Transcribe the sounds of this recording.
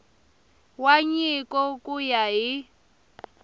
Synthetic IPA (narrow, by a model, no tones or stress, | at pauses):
waɲikʼɔkʼujaɦi